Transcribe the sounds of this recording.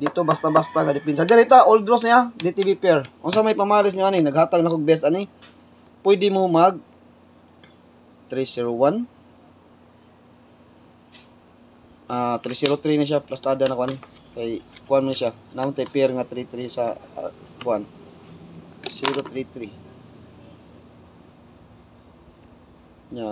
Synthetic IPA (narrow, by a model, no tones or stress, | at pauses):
d̪ɪt̪obast̪abast̪aŋad̪ɪpɛns̬ad̪aɾit̪aʔold̪ɾosnɪad̪it̪ɪbipɛɾʔʊnsamajpɐmaːɾɪs̬ɲʊʔanɪnɐɡhaːt̪aɡnakoɡ̚bs̬t̪ʔanɪ | pwɛd̪ɪmomaɡ̚ | t̪ɾisiɾowan | ʔat̪ɾisiɾot̪ɾinaʃ̬aplast̪aːd̪anakoʔanɪ | kajkʊʔanmʊnaʃanaʊnt̪ajpɛɾŋat̪ɾit̪ɾisa | kʊʔan | siɾot̪ɾit̪ɾi | ɲa